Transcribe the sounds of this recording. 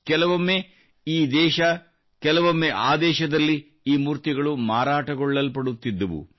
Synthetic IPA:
kɛlɐʋɐmːe | iːd̪ɛːʃɐ | kɛlɐʋɐmːeʔaːd̪ɛːʃɐd̪ɐlːi | iːmuːɾt̪iɡɐɭumaːɾaːʈɐɡɔɭːɐlpɐɽut̪ːid̪ːɐʋṵ

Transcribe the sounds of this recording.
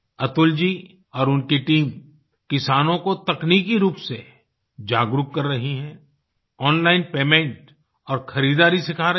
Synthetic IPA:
ɐt̪ʊld͡ʒiː | ɔːɾʊnkeʈiːm | kɪsaːnõkot̪ɐkniːkiɾuːpse | d͡ʒaːɡɾʊkːɐɾːɐɦiɦɛ̃ː | ɔːnlaːɪnpeːmẽɳʈ | ɔːɾxʰɐɾiːd̪aːɾisɪkʰaɾɐ

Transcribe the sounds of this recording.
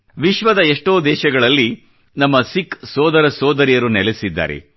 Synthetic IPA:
ʋiʃʋɐd̪ɐeʂʈoːd̪ɛːʃɐɡɐɭɐlːi | nɐmːɐsiksɔːd̪ɐɾɐsɔːd̪ɐɾijɐɾunɛlesid̪ːa̰ːɾḛ

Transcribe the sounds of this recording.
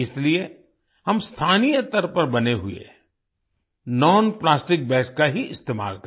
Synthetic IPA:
ɪslie | hɐmst̪ʰaːnijət̪ɐɾpɐɾbɐneɦʊḛ | nɔːnplaːsʈɪk̚bɛːskaɦiɪst̪eːma̰ːlkɐ

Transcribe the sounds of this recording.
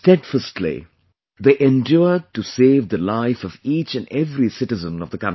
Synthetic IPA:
sʈɛɖfəsʈʰlḭ | d̪eːʔẽnɖjʊəɖ̚ʈuseːvd̪əlaɪfɔviːt͡ʃɨ̃nɛvɾisɪʈɨzə̃nɔvd̪əkã

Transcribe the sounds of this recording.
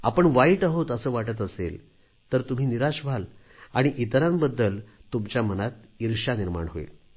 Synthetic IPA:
a̰pəɳʋaiʈaɦot̪əsəːʋaʈət̪̬əsḛl | t̪əɾt̪um̤iːniɾaɕbʱal | aɽ̃iʔit̪ɾãmbəd̪ːəlt̪umt͡ɕjamənat̪̚iɾʂaniɾma̰ɳɦo̰ḭl

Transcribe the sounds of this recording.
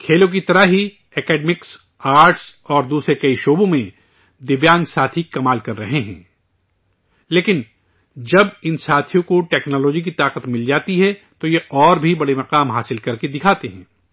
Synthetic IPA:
kʰeːlõk̬it̪ɐɾaɦi | ɛːkɛːɖmɪks | aːɾʈsɔːɾd̪uːsɾekɐiʃoːbõmẽ | d̪ɪʋjaːnsaːt̪ʰikɐmaːlkɐɾːɐɦeɦɛ̰̃ː | leːkɪn | d͡ʒɐbɪnsaːt̪ʰijõkoʈɛːknɔːlɔːd͡ʒik̬it̪aːqət̪mɪld͡ʒaːt̪iɦɛ | t̪ojeʔɔːɾbʱibɐɽemɐqaːmɦaːsɪlkɐɾked̪ɪkʰaːt̪eɦɛ̰̃ː

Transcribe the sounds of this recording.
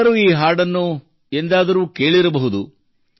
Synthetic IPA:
ɐɾuːiːɦaːɾɖɐnːu | e̞nd̪aːd̪ɐɾuːke̞ːɭiɾɐbɐɦud̪u

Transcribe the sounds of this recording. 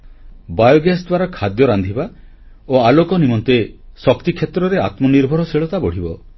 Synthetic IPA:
bajɔɡesd̪waɾɔkʰad̪jɔɾand̪ʱiba | oalokɔnimɔnt̪esɔkt̪ikʰːjet̪ɾɔɾea̰t̪mɔniɾbʱɔɾɔseɭɔt̪abɔɽ̤ibɔ

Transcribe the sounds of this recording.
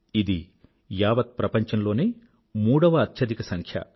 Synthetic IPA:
id̪i | jaːʋɐt̪̚pɾɐpɐɲt͡ʃɐnlo̞ːneː | muːɽɐʋɐːt̪jɐd̪ikɐsɐŋkʰjɐ̰

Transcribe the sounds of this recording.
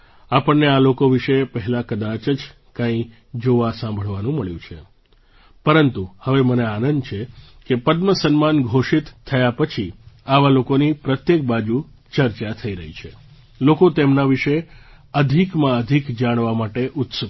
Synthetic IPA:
apəɳːealokoʋiʃepəɦɛlakəd̪at͡ʃəd͡ʒ | kãĩ | d͡ʒoʋasãmbʱəɭʋanũməɭjũt͡ʃʰe | pəɾənt̪uhəʋeməneanənd̪t͡ʃʰe | kepəd̪məsənmanɡʱoʃit̪ʰːəjapət͡ʃʰiaʋalokonipɾət̪jek̚bad͡ʒu | t͡ʃəɾt͡ʃat̪ʰəiɾəɦit͡ʃʰe | lokot̪emnaʋiʃeəd̪ʱikmãəd̪ʱikd͡ʒaɽ̃ʋamaʈeʔʊt̪sə

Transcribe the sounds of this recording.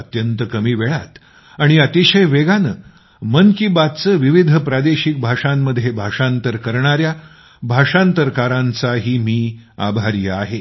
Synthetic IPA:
ət̪jənt̪əkəmiːʋeɭat̪ | aɽ̃iət̪iɕəjʋeɡanə | mənkibat̪t͡səʋiʋid̪ʱəpɾad̪eɕik̚bʱaʂamːəd̪ʱːjebʱaʂant̪əɾkəɾɳaɾja | bʱaʂant̪əɾkaɾãnt͡saɦiːmiːa̰bʱaɾjəaɦe

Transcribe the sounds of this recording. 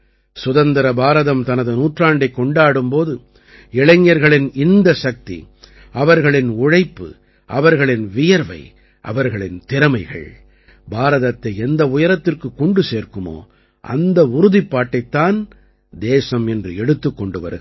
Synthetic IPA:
sʊðɐnd̪ɐɾɐbaːɾɐðɐmt̪ɐnɐðɯnuːʈraːɳɖɐɪkːɔɳɖaːɽɯmpoːðɯ | ɪɭɐŋːjɐɾɣɐɭɪnɪnd̪ɐsɐk̚t̪ḭ | ɐʋɐɾɣɐɭɪnʊɻɐɪpːɯ̰ | ɐʋɐɾɣɐɭɪnʋɪjɐɾʋɐ̰ɪ | ʔɐ̰ʋɐɾɣɐɭɪnt̪ɪɾɐmɐɪɣɐ̰ɭ | baːɾɐðɐt̪ːɐɪɛnd̪ɐʊjɐɾɐt̪ːɪrkɯkːɔɳɖɯseːɾkɯmo̰ː | ʔɐ̰nd̪ɐʊɾʊðipːaːʈːɐɪt̪ːaːn | d̪eːsɐmɛndrɯɛɽɯt̪ːɯkːɔɳɖɯʋɐ̰ɾɯɣ

